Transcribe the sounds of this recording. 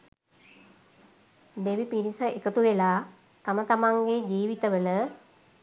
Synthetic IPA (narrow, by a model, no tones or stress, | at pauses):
d̪eʋipiɾisəekət̪uʋelaː | t̪amət̪amaŋɡed͡ʒiːʋit̪əʋələ